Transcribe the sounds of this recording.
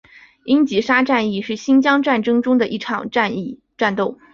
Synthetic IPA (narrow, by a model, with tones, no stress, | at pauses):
i˥nt͡ɕi˧˥ʂa˥ʈ͡ʂa˥˧ni˥˧ʂɻ̩˥˩ɕi˥nt͡ɕjɑ˥ŋʈ͡ʂa˥˩nʈ͡ʂɤ˥ŋʈ͡ʂʊ˥ŋd̪ə˨ʔi˥˩ʈ͡ʂʰɑ˨˩ŋʈ͡ʂa˥˧ni˥˧ | ʈ͡ʂa˥˧nt̪o˥˩ʊ